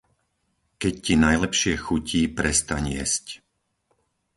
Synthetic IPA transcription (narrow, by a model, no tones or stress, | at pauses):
kɛccinajlɛpʃɪɛxuciːpɾɛst̪aɲɪjɛ̰sc